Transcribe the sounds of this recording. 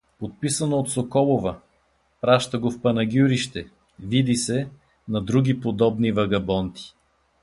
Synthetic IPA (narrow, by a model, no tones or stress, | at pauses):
pot̪̚pisɐnoːt̪sokɔlˠovɐ | pɾaʃt̪ɐɡofpɐnɐɡʲuɾiʃt̪ɛ | vid̪isɛ | nɐd̪ɾuɡʲipod̪ɔbnivɐɡɐbɔnt̪i̥